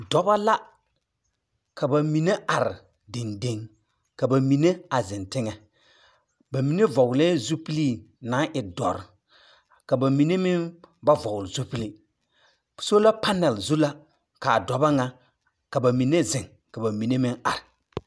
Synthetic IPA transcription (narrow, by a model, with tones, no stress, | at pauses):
dɔ˨ba˦la˦ | kʰa˨ba˨mi˨ne˦a˨ɾɪ˨ | de˨nde˦ŋ | ka˨ba˨mi˨ne˦a˨zɪ˨ntɪ˦ŋɛ˨ | ba˨mi˨ne˦vɔ˨ɡlɛ˦zu˦pi˦li˦˨na˨˦ʔɪ˨dɔ̰˨ɾ | ka˨ba˨mi˨ne˦mɪ˦nba˦vɔ˨ɡʊ˨lzu˦pi˦le˦˨ | so˦la˦pa˦nɛ˨lzu˦la˦ | ka˨dɔ˨ba˦ŋa˦ | ka˨ba˨mi˨ne˦zɪ˨ŋ | ka˨ba˨mi˨ne˦mɪ̃˦ŋa̰˨ɾɪ˨